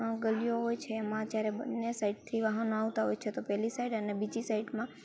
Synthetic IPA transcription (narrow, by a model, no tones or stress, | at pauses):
ɡəlijoɦojt͡ʃʰeːmãd͡ʒjaɾebənːesaiɖ̚t̪ʰiʋaɦənoaʋt̪aɦojt͡ʃʰet̪opɛɦlisaiɖənebid͡ʒisaiɖmã